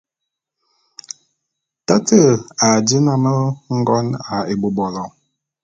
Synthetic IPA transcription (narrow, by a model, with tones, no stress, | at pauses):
ta˦tə˦˨a˨d͡ʒi˦na˦mə˦ŋ̩˦ɡɔ˦na˨e˨bo˨bɔ˨lɔ˨